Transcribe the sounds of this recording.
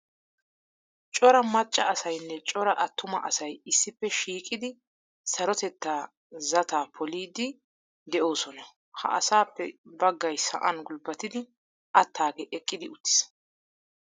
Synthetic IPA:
t͡ʃʼɔɾɐmɐt͡ʃʼːɐɐsɐjnːɛt͡ʃʼɔɾɐʔɐt̪ːʊmɐ̰ʔɐsɐjɪsːɪpːɛʃiːkʼɪd̪ɪ | sɐɾɔt̪ɛt̪ːaː | zɐt̪aːpʰɔliːd̪ɪ | d̪ɛʔo̞ːsɔnɐ | hɐ̰ʔɐ̰saːpːɛbɐɡːɐjsɐ̰ʔɐnɡʊlbɐt̪ɪd̪ɪ | ʔɐt̪ʰːaːɡɛʔɛkʼːɪd̪ɪʊt̪ːɪ̥s

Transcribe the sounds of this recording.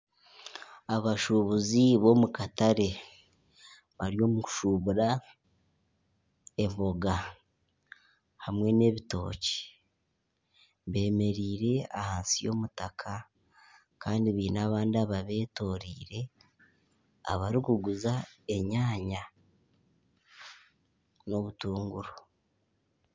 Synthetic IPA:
aβaʃuβuziβo̞mukataɾe̞ | βaɾjo̞ːmuu̥ʃuβuɾa | e̞mbo̞ɡa | hamwe̞ne̞βito̞̰ːce̥ | βe̞ːme̞ɾiːɾe̞ahaːnsijo̞̰mutakʰa | kaːndiβiːnaːβaːndiaβaβe̞ːto̞ːɾiːɾe̞ | a̰βaɾikuɡuzae̞ɲaːɲa | no̞βutuːŋɡuɾo

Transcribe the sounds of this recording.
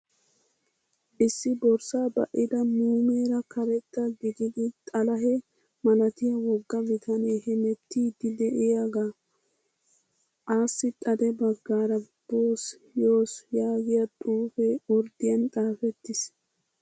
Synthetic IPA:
ʔɪsːɪbɔɾsaːbɐ̰ʔɪd̪ɐmuːmeːɾɐkɐɾɛt̪ːɐɡɪd̪ɪd̪ɪt̪ʼɐlɐɦɛ | mɐlɐt̪ɪjɐwɔɡːɐmɪt̪ʰɐneːhɛmɛt̪ːiːd̪ɪd̪ɛʔɪjaɡaː | ʔaːsːɪt̪ʼɐd̪ɛbɐɡːaːɾɐb̥oːs | joːsjaːɡɪjɐt̪ʼuːfɛɔɾd̪ɪjɐnt̪ʼaːfɛt̪ːɪs

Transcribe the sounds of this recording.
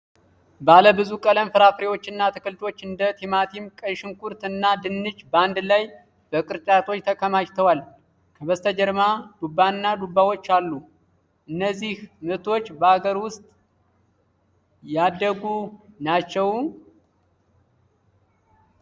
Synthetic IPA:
baləbɨzukʼələmfɨɾafɾewo̞t͡ʃːɨnːat̪ʰɨkɨlt̪ʰo̞t͡ʃːɨnd̪ət̪ʰimat̪ʰimkʼəʃɨŋkʰuɾt̪ɨnːad̪ɨnːɨt͡ʃbəand̪laj | bəkʼɨɾt͡ʃʼat̪ʰo̞t͡ʃːt̪ʰəkʰəmat͡ʃt̪ʰəwal | kʰəβəst̪ʰəd͡ʒɛɾmad̪̥ubːanːad̪ubːawo̞t͡ʃːalːu | ʔɨnːəzːihmɨt̪ʰo̞t͡ʃːbəaɡəɾwʊst̪ʼ | jad̪ːəɡunat͡ʃːɛw

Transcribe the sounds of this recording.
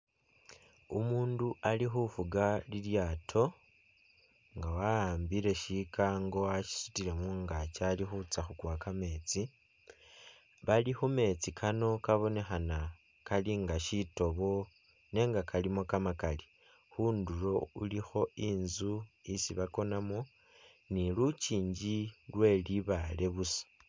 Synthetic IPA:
umuːndualixufuɡaliljaːtʰo̞ | ŋɡawaaːmbiɾe̞ʃikaŋɡo̞aʃi̥su̥tiɾe̞muŋɡat͡ʃalixut͡saxukwakame̞t͡si | βalixume̞t͡sikʰano̞kaβo̞ne̞xana | kaliŋɡaʃito̞βo̞ | ne̞ːŋɡakʰalimo̞kamakali | xuːnduɾo̞ulixo̞iːnzuisiβako̞namo | nilut͡ʃiːɲɟilwe̞liβale̞βusḁ

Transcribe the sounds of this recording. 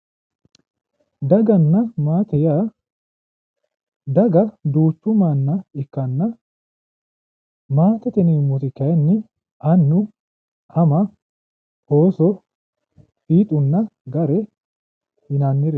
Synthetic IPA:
d̪ɐɡɐnːɐmaːt̪ɛjaː | d̪ɐɡɐd̪uːt̪ːʊmanːɐɪkːɐnːɐ | maːt̪ɛt̪ɛniːmːɔt̪ɪkːɐjɐnːɪ | ʔɐnːʊ | ʔɐmɐ | hoːsɔ | fiːt̪ʼʊnːɐɡɐɾɛ | hɪnanːɪɾɛ

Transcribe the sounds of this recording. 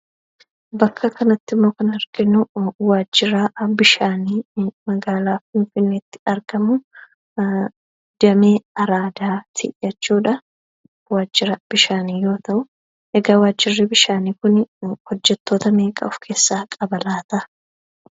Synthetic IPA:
bɐkʰːɐkɐnɐt̪ːɪmːo̞ːkɐnɐɾɡɪnʊwaːd͡ʒːɪɾaːbɪʃaːniːmɐɡaːlaːfɪnfɪnːeːt̪ːɪ̥ɐɾɡɐmʊ | d̪̥ɐme̞ːɐɾaːd̪aːt̪ʰɪ̰jɐt͡ʃːuːᶑɐ | waːd͡ʒːɪɾɐb̥ɪʃaːniːjo̞ːt̪ɐʔʊ | ʔɛɡaːwaːd͡ʒːɪrːibɪʃaːniːkʊnhɔd͡ʒːɛt̪ːo̞ːt̪ɐme̞ːkʼɐ̰ʊfkʰe̞ːsːaːkʼɐbɐlaːt̪ɐʔ

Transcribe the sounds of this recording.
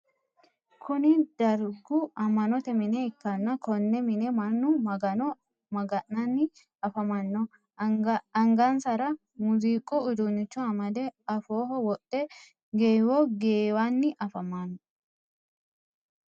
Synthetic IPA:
kʰʊnɪd̪̥ɐɾɡʊʔɐmːɐnɔt̪ɛmɪnɛɪkːɐnːɐkɔnːɛmɪnɛmɐnːʊmɐɡɐnɔ | mɐɡɐʔːɐnːɪ | ɐfɐmɐnːɔ | ɐŋɡɐnsɐɾɐ | mʊziːkʼʊʊd̪ʊnːɪt͡ʃːɔɐmɐd̪ɛɐfoːɦɔwɔt̪ːɛ | ɡeːwɔɡeːwanːɪʔɐfɐmanːɔ

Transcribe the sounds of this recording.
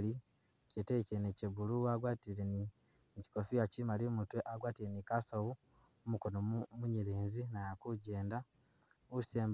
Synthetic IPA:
li | citeceneceβuluaɡwaːtiɾeni | ci̥kofijacimaliomutweʔaɡwaːtiɾenikasowu | mukonomuɲiɾeːnzinajakuɟeːnda | useːmb

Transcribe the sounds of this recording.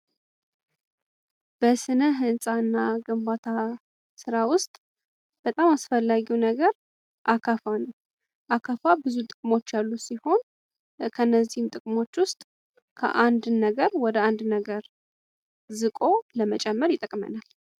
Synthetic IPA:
b̥əsɨnəɦɨnsʼaɨnːaɡəmbat̪ʰa | sɨɾawʊst̪ʼ | b̥ət̪ʼamasfəlːaɡiwnəɡəɾ | ʔakʰafanəw | ʔakʰafabɨzut̪ʼɨkʼmo̞t͡ʃːjalːusiho̞n | kʰənːəzːihmt̪ʼɨkʼmo̞t͡ʃːwʊst̪ʼ | kʰə̰ʔand̪nəɡəɾwɔd̪əand̪nəɡəɾ | zɨkʼo̞ləmət͡ʃʼɛmːəɾjɪt̪ʼəkʼmə̰nal

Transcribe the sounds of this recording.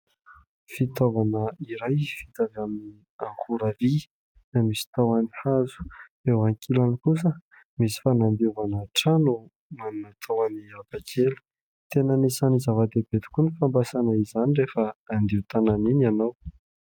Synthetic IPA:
fit̪ovanəiɾajfi̥t̪avamini | aŋkuɾavi | d̪amisi̥t̪awanihazu̥ewaŋkʰilanikus̬ə | misi̥fanand̪iuvanaʈ͡ʂanu | manunət̪ʰawaniakakʰelə̥ | t̪enənisanizavad̪eb̥et̪u̥kunifambasanəizanirefəːnd̪iut̪ananinanaw

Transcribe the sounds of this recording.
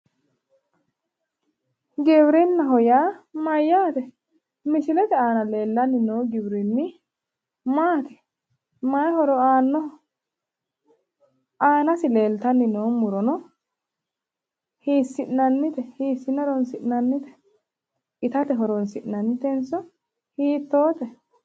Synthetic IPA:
ɡɛbɾɪnːɐɦɔjaːmɐjːaːt̪ɛ | mɪʃɪlɛt̪ɛaːnɐle̞ːlːɐnːɪnoːɡɪbɾɪnːɪ | maːt̪ɛ̥ | mɐhɔɾɔaːnːɔ | ʔaːnɐsɪle̞ːlt̪ɐnːɪnoːmʊɾɔnɔ | hiːsːɪʔnɐnːɪt̪ɛhiːsːɪnːɐɾɔnsɪʔnɐnːɪt̪ɛ̥ | ɪt̪ɐt̪ɛɦɔɾɔnsɪʔnɐnːɪt̪ɛnsɔ | hiːt̪ːoːt̪ɛ

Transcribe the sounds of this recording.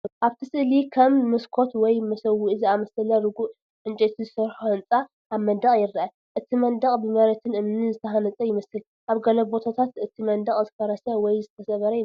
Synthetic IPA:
ʔaβt̪ʰisɨʔlikʰɐmːɨskʰo̞t̪wɔjmɐsɐwuʔɨziamɐsɐlɐɾɨɡuʔ | ħɨnt͡ʃʼɛt̪ʰizɨsɐɾħuhɐnt͡sʼa | ʔaβmɐd̪ɐχʼjɪɾdaʔa | ʔɨt̪ʰimɐnd̪ɐχʼbɨmɐɾɐt̪ʰɨnʔɨmnɨzɨt̪ʰɐhanɐt͡sʼɐjɪmɐsɨl | ʔaβɡɐlɐbo̞t̪ʰat̪ʰat̪ɨt̪ʰimɐnd̪ɐχʼzɨfɐɾɐsɐwɔjzɨt̪ʰɐsɐβɐɾɐɪ

